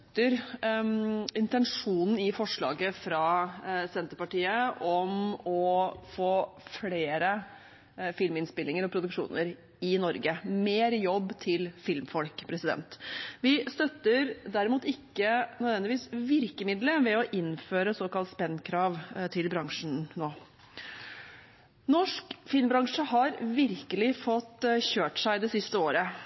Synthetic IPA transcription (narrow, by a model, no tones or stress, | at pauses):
t̪ːəɾ | ɪnt̪ɛnʂuːnn̩ɪfɔʂɭɑ̰ːɡəfɾɑːsɛnt̪əɾpɑʈiːəʔɔmɔfoːfleːɾə | fɪlmɪnspɪlːɪŋəɾɔpʰɾʊd̪ʉkʂṵːnəɾ | ɪnɔɾɡəmeːɾjɔbːt̪ʰɪlfɪlmfɔlkpʰɾɛsɪd̪ɛ̰nt̪ʋɪst̪œt̪ːəɾd̪æɾɪmuːt̪ɪkːənœd̪ʋɛnd̪ɪʋiːsʋɪɾkəmɪd̪ləʋɛɔʔɪnføːɾəsoːkɑlt̪spɛnːkʰɾɑːʋt̪ʰɪlbɾɑŋʂɳ̩noː | nɔʂkfɪlmbɾɑŋʂəhɑɾʋɪɾkəlɪfɔt̪ːçøːʈʂæɪd̪ɛsɪst̪əoːɾə